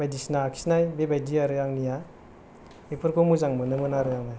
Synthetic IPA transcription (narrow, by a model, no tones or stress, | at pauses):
bajdisnakʰi̥snajbebajdiaɾɯaŋnija | epʰɯɾkomuzaŋmɯnɯmɯnaɾɯjaŋnaj